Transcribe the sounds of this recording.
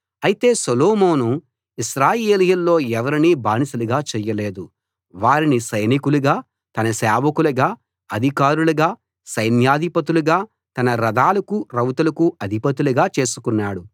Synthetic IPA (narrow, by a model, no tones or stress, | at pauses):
ɐjit̪e̞ːsoloːmo̞ːnu | iʃɾaːjeːlijɐlːo̞ːɛʋɐɾiniːbaːnisɐluɡaːt͡ʃɛjːɐle̞ːd̪u | ʋaːɾinisɐjnikuluɡaː | t̪ɐnɐsɛːʋɐkulɐɡaː | ɐd̪ʱikaːɾulɐɡaː | sɐjnjaːd̪ʱipɐt̪̬uluɡaː | t̪ɐnɐɾɐd̪aːlɐkuɾɐwt̪ɐlɐkuɐd̪ʱipɐt̪uluɡaːt͡ʃe̞ːsu̥kunːaːɽu